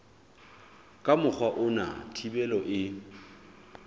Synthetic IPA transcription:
kʼamʊk͡xʰwaʔʊna̰tʰibɛlɔʔɪ

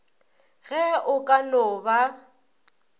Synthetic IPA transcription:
ɣɛʔʊkʼanʊːba

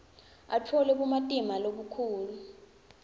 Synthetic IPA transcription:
a̰tʰɔlɛɓumatʼimaloɓukʰuːlu

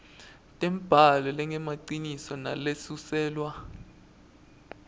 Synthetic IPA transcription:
tʼɛmb̥ʱalɛlɛŋɛmaǀinisɔna̰lesusɛːlwa

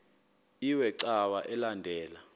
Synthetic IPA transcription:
iwɛǀawaʔɛlandʱɛːla

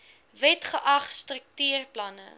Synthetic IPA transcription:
vɛtχəʔɐχstrək̚tyːrplɐnə̰

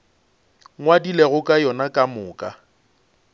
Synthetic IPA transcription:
ŋwadileɣʊkʼajɔnakʼamʊːkʼa

